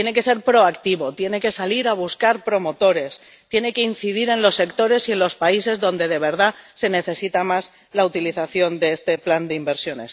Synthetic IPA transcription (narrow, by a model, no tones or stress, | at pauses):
jeneke̞se̞ɾpɾo̞akt̪iβo̞t̪je̞ne̞ke̞saliɾaβ̞uskaɾpɾo̞mo̞t̪o̞ɾe̞s | t̪je̞ne̞ke̞in̟θiðiɾe̞nlo̞sːe̞kt̪o̞ɾe̞sie̞nlo̞spaise̞zðõ̞nd̪e̞ð̞e̞β̞e̞ɾðase̞ne̞θe̞sit̪amaz | laut̪iliθaθjo̞nd̪e̞est̪e̞pland̪eimbe̞ɾsjo̞ne̞̰s